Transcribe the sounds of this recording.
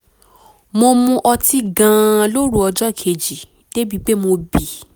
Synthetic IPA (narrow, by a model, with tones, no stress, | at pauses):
mo˧mũ˧ʔɔ˧ti˧ɡã˨˧˨lo˦ɾu˦ɔ˧d͡ʒɔ˦˨kʰe˨d͡ʒi˨ | d̥e˦bi˦˧k͡pe˦mo˧bi˨